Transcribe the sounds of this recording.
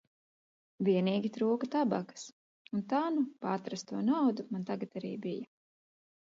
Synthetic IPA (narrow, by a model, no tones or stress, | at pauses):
viɛniːɡʲit̪ɾuːkɐt̪aba̰kə̥s | unt̪anupat̪ɾast̪uɔnawd̪umant̪aɡat̪aɾiːbijɐ